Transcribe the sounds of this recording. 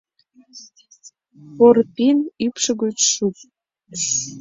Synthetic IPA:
porpinypʃə̆ɣøt͡ɕʃut̪̚

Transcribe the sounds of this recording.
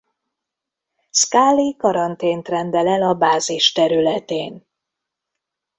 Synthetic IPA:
skaːlːikɒɾɒnt̪eːnt̪rɛnd̪ɛlɛlɒbaːziʃt̪ɛɾylɛt̪eːn

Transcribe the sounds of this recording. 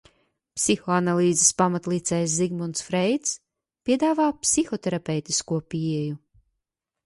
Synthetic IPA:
psixɔanalˠiːzespamat̪lˠiːt̪sɛjsziɡmɔnt̪sfɾɛjt̪s | pʲiɛd̪aːvaːpsixɔt̪ɛɾapʲɛwt̪iskuɔpiɛju

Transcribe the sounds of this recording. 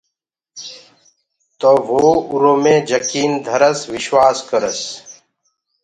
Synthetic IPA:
t̪oːʋoːuɾoːmẽːd͡ʒəkiːnd̪ʱəɾəsʋɪʃwaːskəɾəs

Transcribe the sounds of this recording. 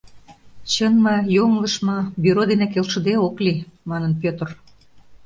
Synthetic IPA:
t͡ɕənmɑjoŋləʃmɤ̆byɾod̪enek̬elʃə̆d̪eoklimɑnə̆npʲøt̪ər

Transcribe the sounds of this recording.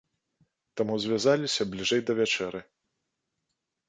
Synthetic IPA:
t̪amuzʲvʲazalʲisʲɐblʲiʐɛjd̪ɐvʲat͡ʂɛɾɨ

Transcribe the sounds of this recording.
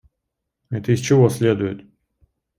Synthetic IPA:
ɛt̪əist͡ɕɪvɔsʲlʲed̪ʊjɪt̪

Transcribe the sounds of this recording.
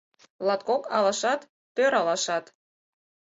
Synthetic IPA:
lɑt̪̚kokɑlɑʃɑt̪ːøɾɑlɑʃɑt̪

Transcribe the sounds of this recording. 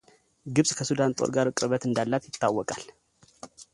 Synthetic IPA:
ɡɨβsʼkʰəsud̪ant̪ʼo̰ɾɡaɾɨkʼɾɨβət̪ɨnd̪alːat̪jɪt̪ʰːawːɔkʼal

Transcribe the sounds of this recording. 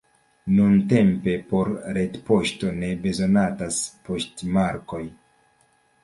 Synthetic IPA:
nunte̞mpe̞po̞ɾɾe̞tpo̞ʃto̞ne̞be̞zo̞nataspo̞stmaɾko̞j

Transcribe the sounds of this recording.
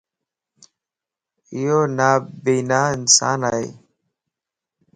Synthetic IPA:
ijoːnaːbiːnaːɪnsa̰ːnaːḛː

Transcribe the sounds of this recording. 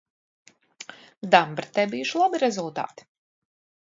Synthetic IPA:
d̪ambɾit̪ːɛbijuʃilˠabiɾɛzulˠt̪a̰ːt̪i̥

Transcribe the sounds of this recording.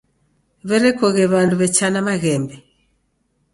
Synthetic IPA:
βɛɾɛkɔɣɛβanduβɛt͡ʃanamaɣɛmbɛ

